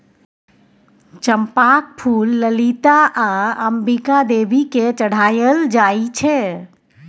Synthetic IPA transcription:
t͡ʃəmpak̚pʰulːəlit̪aʔaəmbikad̪ebʱiket͡ʃəɽ̤aːjəld͡ʒait͡ʃʰɛ

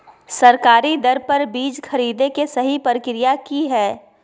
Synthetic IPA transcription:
sɐɾkaːɾid̪ɐɾpɐɾbiːd͡ʒxʰɐɾiːd̪ekesɐɦipəɾɪkɪɾijakiɦɛː

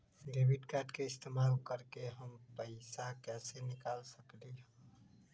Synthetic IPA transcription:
ɖeːwɪɖkaːɾɖkeɪst̪eːmaːlkəɾkeɦəmpəɪsakɛːsenɪkaːlsəkliɦõ

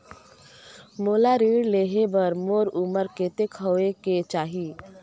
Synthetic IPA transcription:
moːlaɾiːɽleːɦebəɾmoːɾuməɾkeːt̪ekʰəeket͡ʃaːɦiː

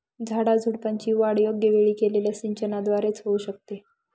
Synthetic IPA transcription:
d͡zʱaɽad͡zʱuɽpaɲt͡ɕiːʋaɽjoɡjəʋeɭiːkeleljasiɲt͡ɕənad̪ʋaɾet͡sɦouːɕək̚t̪e

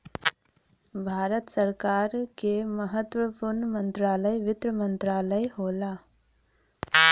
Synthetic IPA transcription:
bʱaːɾət̪səɾkaːɾkeməɦət̪wəpuɾɳəmə̃nt̪ɾaːləjʋɪt̪ɾəmə̃nt̪ɾaːləjɦoːlaː

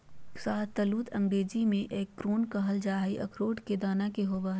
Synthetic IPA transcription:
saːt̪ɐluːt̪ʰɐ̃ŋɡɽeːd͡ʒimẽʔeːkːɾoːnkɐɦəld͡ʒaːɦiʔɐ̰kʰɾoːʈked̪aːnakeɦoːʋa

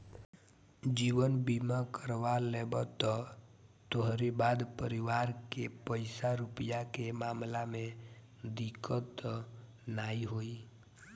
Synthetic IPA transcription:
d͡ʒiːwənbimakəɾʋalebət̪ɔt̪oɦɾibad̪pəɾiʋaːɾkepəɪsaɾupijakemaːmlamẽ | d̪ikət̪ | naiɦoi

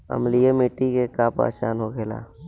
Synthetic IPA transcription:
ə̰mlijemiʈikekapa̰ːt͡ʃaːnɦoɡela̰ː

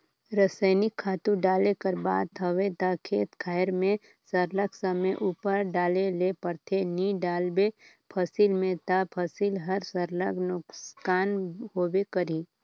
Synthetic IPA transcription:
ɾəsəɪnɪkʰːaːt̪ũɖaːlekəɾbaːd̪̚t̪ʰəʋet̪akʰeːt̪kʰaːɪɾmẽ | səɾləksəmeʔuːpəɾɖaːlelepəɾt̪ʰeniɖaːlbe | pʰəsilmẽt̪apʰəsilɦɐɾsəɾləɡnʊkskaːnɦoːbekəɾiː

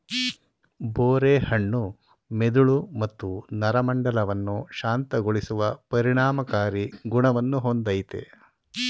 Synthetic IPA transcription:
boːɾeːhɐɳːu | med̪uɭumɐt̪ːunɐɾɐmɐɳɖɐlɐʋɐnːuʃaːnt̪ɐɡoɭisuʋɐpɐɾiɳaːmɐkaːɾiɡuɳɐʋɐnːuɦond̪ɐjit̪ḛ

